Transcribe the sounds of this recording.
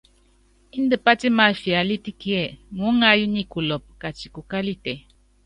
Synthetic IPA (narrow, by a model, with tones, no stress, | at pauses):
i˦ndə˨pa˦ti˦ma˨fi˨a˨li˦ti˦kie˨ŋu˦ŋa˦ju˦ni˦ku˨lɔ˨p̚ka˨t͡ʃi˨ku˨ka˦li˦te˨